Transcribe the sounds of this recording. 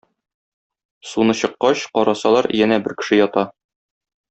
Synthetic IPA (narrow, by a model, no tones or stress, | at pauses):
sunɤɕɤ̆qːɑɕqɒɾɑsɑlˠɑɾjænæbɘɾkɘ̥̆ʃɘjɒt̪ɑ